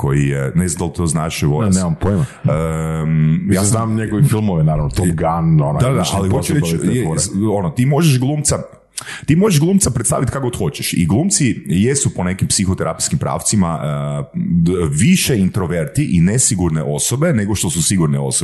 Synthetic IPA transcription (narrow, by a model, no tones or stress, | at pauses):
ko̞jijḛnezand̪alt̪oznaːʃɛʋoɾnemampoima | ə | jaːznamɲeɡoʋifilˠmoʋinaɾaʋnot̪oɡanond̪ad̪aa̰lixot͡ʃuɾeijeoonot̪iːmo̞ʒeʃɡlˠuːmt̪sa | t̪iːmo̞ʒeʒɡlˠuːmt̪sapɾet̪st̪a̰ʋit̪kaɡot̪xo̞t͡ɕeʃḭɡlˠuːmt̪sijesupone̞kimpsixot̪eɾʔa̰piskimpɾa̰ːft̪sima | ʋiʃeint̪ɾoʋeɾt̪iʔinesiɡuɾneʔo̞sobe̞ne̞ɡoʃt̪o̞susiɡuɾneo̞̰sobe